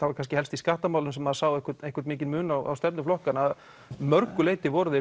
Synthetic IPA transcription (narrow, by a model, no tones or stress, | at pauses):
θavaɾkʰanscɪhɛlst̪iskaːht̪amaːwlʏnsɛmaðsaːwejhkʏɾt̪ejhkaɾt̪mɪːc̬ɪnmʏːnawʔa̰wst̪ɛpnʏflɔhkanað | mœɾkʏleːjt̪ɪvɔɾʏðɪ